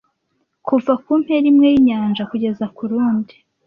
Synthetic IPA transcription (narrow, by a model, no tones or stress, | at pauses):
kuvakum̥he̞ɾimŋe̞jiɲaːnʒakuɟe̞zakuɾuːndi